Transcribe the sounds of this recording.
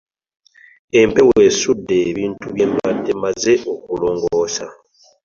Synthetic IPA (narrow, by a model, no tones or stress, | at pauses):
e̞mpe̞we̞sudːe̞ːβiːntuβje̞mademaze̞ʔo̞kulo̞ːŋɡoːsa